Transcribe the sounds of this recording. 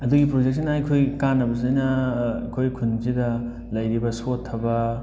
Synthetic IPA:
ɐduɡipɾod͡ʒek̚sinajkʰojkanːɐbɐzɐjnɐkʰojkʰunzidɐ | lɐjɾibɐsotʰːɐbɐ

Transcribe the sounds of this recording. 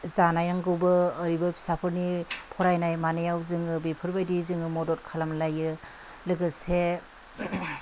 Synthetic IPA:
zanajaŋɡɯwbɯːɾibɯpʰi̥sapʰɯɾnipʰɔɾajnajmanɯjawzɯŋɯbipʰɯɾbajdizɯŋɯmɔdɔt̚kʰalamlajɯ | lɯɡɯse

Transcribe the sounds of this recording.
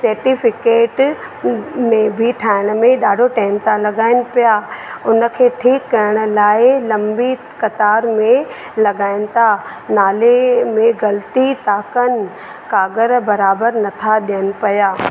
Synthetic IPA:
sɐːɾʈifɪkeːʈ | mẽbʱɪʈʰaːɪɽ̃̆mẽɗaːɖʱoʈaːɪmt̪ʰalɐɡaːɪnɪ̆pijaʊnə̆kʰeːʈʰiːkːɐɾəɽ̃ʊ̆laːɪlɐ̃mbi | kɐt̪aːɾmẽ | lɐɡaːɪnɪ̆t̪ʰa | naːlemẽɡɐlt̪it̪aːkən | kaːɡəɾbɐɾaːbəɾnɐt̪ʰaɗijənɪ̆pɐjaː

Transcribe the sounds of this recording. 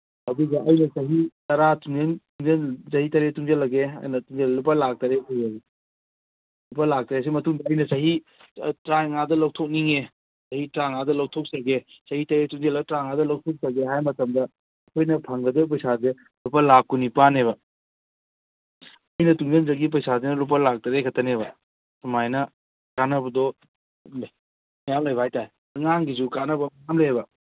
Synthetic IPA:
hɐduɡɐʔɐjnɐsɐɦitɐɾatuŋzɐntuŋzɐnzɐɦitɐɾetuŋzɐlɐɡeɐ̰jnɐtuŋd͡ʒellup̬ːalak̚tɐɾesiai | lupalak̚tɐɾes̬imɐtuŋdɐːjnɐsɐɦi | tɾaŋadɐlɐwtʰok̚niŋe | sɐhitɾaŋadɐlaw̚tʰok̚sɐɡe | sɐhitɐɾetuŋzelɐɡɐtɾaŋadɐlɐwtʰɔk̚sɐɡeɦajmɐtɐmdɐː | kʰojnɐpʰɐŋɡɐdɐbp̬ɐjsaze | lupɐlap̚kunipanebɐ | ɐjnɐtuŋd͡ʒenzɐɡip̬ɐjsazenɐlup̬ɐlak̚tɐɾekʰɐtɐnebɐ | sɐmajnɐ | kanɐbɐdɔ | mɐjamlajbɐhajtaj | ɐŋaŋɡisukanɐbɐmɐjamleebɐ

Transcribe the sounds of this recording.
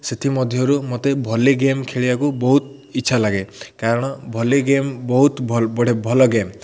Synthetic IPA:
set̪ʰimɔd̪ʱjɔɾumot̪ebʱɔleɡemkʰeɭibakubɔɦut̪ | itːt͡ʃʰalaɡekaɾɔɽ̃ɔbʱɔleɡembɔɦut̪bɔɽ̤ebʱɔlɔɡem

